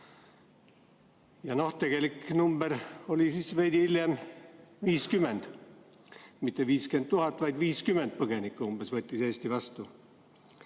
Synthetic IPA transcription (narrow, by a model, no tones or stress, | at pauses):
jɑno̞ht̪ːe̞ɡ̥e̞liknumb̥eɾo̞lisiːsve̞jd̪iiljemviːskymːe̞nd̪̥ | mit̪ˑːe̞viːske̞nd̪uɦɑt̪ːˑvɑjd̪viːskymːend̪̥̚pɤɡe̞nikːˑuumb̥esvɤet̪ʲːˑiseːst̪ivɑst̪u